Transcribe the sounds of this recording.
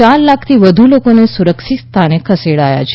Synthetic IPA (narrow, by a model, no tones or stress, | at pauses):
aɾlakʰt̪ʰiʋəd̪ʱulokonesuɾəkʃit̪st̪ʰanekʰəseɽaja̰t͡ʃʰe